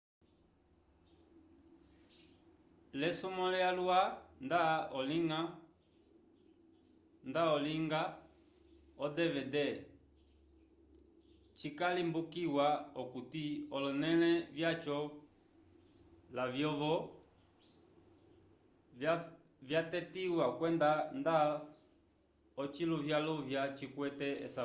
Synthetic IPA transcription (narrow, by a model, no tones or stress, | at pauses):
lɛsumɔlɛalwandaɔliŋa | ndaɔliŋɡa | ɔdɛvɛdɛ | t͡ʃikalimbukiwaɔkutiɔlɔnɛlɛvjat͡ʃɔ | lavjɔvɔ | vjatɛtiwakwɛndanda | ɔt͡ʃiluvjaluvjat͡ʃikwɛtɛɛ̰sa